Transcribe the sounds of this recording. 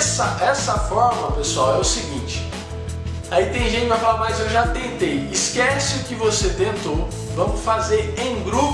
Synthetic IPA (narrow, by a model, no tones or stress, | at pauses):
sɐʔɛsɐfɔɾmɐpesuawɛʊsɪɡĩnt͡ʃɪ̥ | ait̪ẽj̃ʒẽt͡ʃɪpɾafalaɾmajzewʒat̪ẽnt̪ejɪskɛsɪʊkɪvoset̪ẽnt̪ow | vɐ̃mʊsfazeɾẽj̃ɡɾu